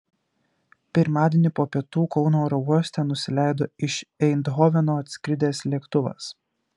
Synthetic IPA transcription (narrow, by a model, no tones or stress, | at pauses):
pʲɪɾmɑːd̪ʲenʲɪpoːpʲiɛt̪uːkɒʊnoːɾɔuɔsʲt̪ʲɛnʊsʲɪlʲæˑɪd̪oːɪʃɛɪnd̪ɦɔʋʲɛnoːɐt̪ʲsʲkʲɾʲɪd̪ʲeːslʲiɛkt̪ʊʋɐ̰s